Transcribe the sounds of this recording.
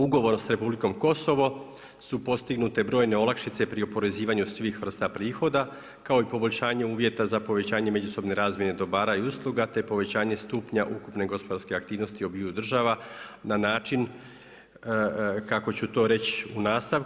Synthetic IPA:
uɡo̞ʋo̞ɾnosɾe̞publiko̞mko̞so̞ʋo̞ | supo̞t̪st̪iɡnut̪e̞bɾo̞ːjne̞o̞lakʃit̪se̞pɾiopo̞ɾe̞ziːʋaɲusʋixʋr̩st̪apɾiːxo̞d̪a | kao̞ipo̞boʎʲʃaːɲe̞uːʋje̞t̪azapo̞ʋe̞t͡ɕaːɲe̞me̞d͡ʒuso̞bne̞ɾaːzmje̞ne̞d̪o̞baːɾajuslˠuɡat̪e̞po̞ʋe̞t͡ɕaːɲe̞st̪upɲaʔukupne̞ɡo̞spod̪aɾske̞ak̚t̪iːʋno̞st̪iobiːud̪r̩ʒaʋananaːt͡ʃin | kako̞t͡ɕut̪o̞ːɾe̞t͡ɕunaːst̪aʋ

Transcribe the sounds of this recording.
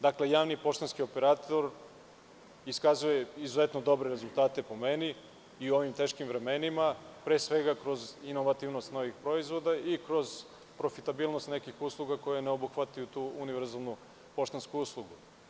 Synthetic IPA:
d̪akle̞jaːʋnipo̞ʃt̪anskio̞pe̞ɾaːt̪o̞ɾ | iskazuje̞izuzet̪nod̪o̞bɾeɾezulˠt̪aːt̪e̞po̞meni | iuo̞ʋimt̪e̞ːʃkimvɾe̞menimapɾe̞ːsʋe̞ɡakɾo̞zino̞ʋat̪iʋno̞st̪no̞ʋixpɾo̞izʋo̞d̪aikɾo̞z̥ | pɾo̞fit̪abiːlˠno̞st̪nekixuslˠuɡako̞jeneobuxʋat̪ajut̪uːuniʋeɾzalˠnu | po̞ʃt̪anskuuːslˠuɡu

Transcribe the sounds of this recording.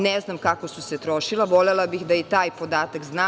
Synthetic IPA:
neznamkakosuset̪ɾoʃilˠaʋo̞lelabixd̪ajit̪aːjpod̪aːt̪akznaː

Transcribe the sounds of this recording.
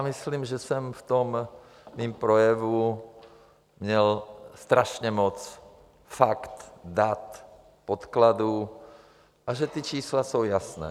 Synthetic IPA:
misliːmʒɛsɛmft̪omː | iːmpɾojɛvu | mɲɛlst̪ɾaʃɲɛmɔt͡s | fakt̪d̪at̪ | pot̪klad̪u | ʔaʒɛt̪it͡ʃiːslasowjasnɛ̰ː

